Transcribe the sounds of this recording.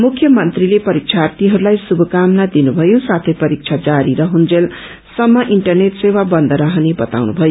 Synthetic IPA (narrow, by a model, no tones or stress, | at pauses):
mukʰjʌmʌnt̪rilepʌɾik̚t͡ʃʰart̪iɦʌɾulajsubʱʌkamnad̪inubʱʌjõsat̪ʰʌjpʌɾik̚t͡sʰad͡zaɾiɾʌɦund͡zel | sʌmːʌʔiɳʈʌrneʈsewabʌnd̪ʱʌɾaɦʌnebʌt̪a̰wnubʱʌjo